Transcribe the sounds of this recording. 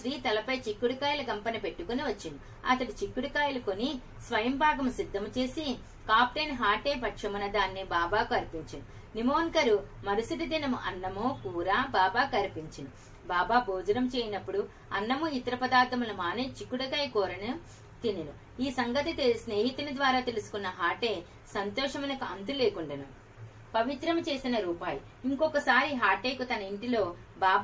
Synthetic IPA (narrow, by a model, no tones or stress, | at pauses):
ʃɾiːt̪ɐlɐpɐjt͡ʃikːuɽukaːjilɐkɐmpɐnipeʈːukoniʋɐt͡ʃːinu | ɐ̰t̪ɐɽit͡ʃikːuɽukaːjɐlɐkoni | sʋɐjɐmbʱaːɡɐmusid̪ʱːɐmut͡ʃe̞ːsi | kaːp̚ʈɐjnɦaːʈeːpɐʈʂɐmunɐd̪aːnːibaːbaːkuɐɾpiɲt͡ʃinu | nimoːŋkɐɾumɐɾusiʈ̪id̪inɐmuʔɐnːɐmukuːɾaːbaːbaːkɐɾipiɲt͡ʃinu | baːbaːboːd͡ʒɐɾɐmt͡ʃeːjinɐpːuɽu | ɐnːɐmuit̪ɐɾɐpɐd̪aːɾt̪ʰɐmulɐmaːneːt͡ʃikːuɽɐkɐjkɔːɾɐnɐ | t̪ininu | iːsɐŋɡɐt̪it̪isne̞ːɦit̪unɐd̪ʋaːɾaːt̪e̞lusu̥kunːɐɦaːʈe̞ː | sɐnt̪ɔːʂɐmɐnɐkuʔɐnt̪̬uleːkuɳɖɐnu | pɐʋit̪ɾɐmt͡ʃe̞ːsinɐɾuːpaːju | iŋkɔkɐsaːɾiɦaːʈe̞ːkut̪ɐnɐiɳʈilo̞ː | baːb